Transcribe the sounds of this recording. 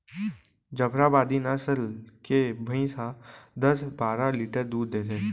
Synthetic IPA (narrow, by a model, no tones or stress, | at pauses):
d͡ʒəbɾabaːd̪inəsəlkebʱəĩsad̪əsbaːɾaliːʈəɾd̪uːd̪ːeːt̪ẽː